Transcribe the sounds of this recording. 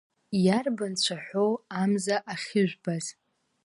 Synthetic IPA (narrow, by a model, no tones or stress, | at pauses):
jarbant͡ɕʷʰaħʷoamzaʔaχʲɪʒʷᶣbaz̥